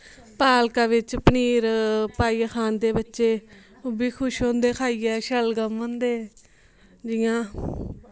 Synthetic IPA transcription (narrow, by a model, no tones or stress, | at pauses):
paːlkãːʋɪt͡ʃpəniːɾpaːiːkʰaːnd̪eːbətːʃeː | ʊbiːkʰʊʃɦõːnd̪eːkʰaːiːɛːʃəlɡəmɦõːnd̪eː | d͡ʒɪːãː